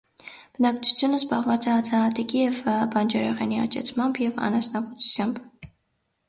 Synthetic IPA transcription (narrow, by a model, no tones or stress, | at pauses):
b̥ənɑkt͡sʰu̥t͡sʰjunəzbɑʁvɑt͡sɛɑt͡sʰɛɑt̪ikijɛvbɑnd͡ʒɛɾɛʁɛniɑ̰t͡ʃɛ̰t͡sʰmɑmbjɛvɑ̰nɑsnɑvɔt͡sʰu̥t͡sʰjɑmb